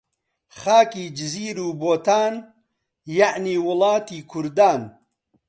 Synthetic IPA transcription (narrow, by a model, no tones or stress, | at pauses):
χaːkiːd͡ʒɪziːɾuːboːt̪aːn | jaʕniːwʊlɑːt̪iːkʰʊɾd̪aːn